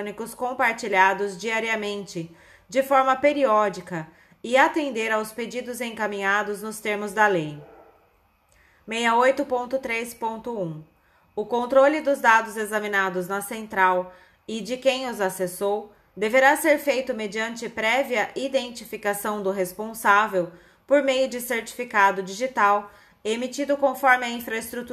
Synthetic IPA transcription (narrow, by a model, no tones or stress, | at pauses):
nikʊskõpaɾt͡ʃiʎad̪ʊzd͡ʒiaɾiɐmẽnt͡ʃɪ | d͡ʒɪfɔɾmɐpeɾiɔd͡ʒikɐ | ɪat̪ẽnd̪eɾawsped͡ʒid̪ʊzẽkamĩɲad̪ʊznʊst̪eɾmʊzd̪ɐlej | mejɐojt̪ʊpõnt̪ʊt̪ɾespõnt̪ʊũ | ʊkõnt̪ɾolɪd̪ʊzd̪ad̪ʊzezɐmĩnad̪ʊznɐsẽnt̪ɾaw | ɪd͡ʒɪkẽj̃ʊzasesow | d̪eveɾaseɾfejt̪ʊmed͡ʒiɐ̃nt͡ʃɪpɾɛviɐʔid̪ẽnt͡ʃifikasɐ̃w̃d̪ʊɦespõsavew | poɾmejʊd͡ʒɪseɾt͡ʃi̥fikad̪ʊd͡ʒiʒit̪aw | emit͡ʃid̪ʊkõfɔɾmɪɐĩfɾɐest̪ɾut̪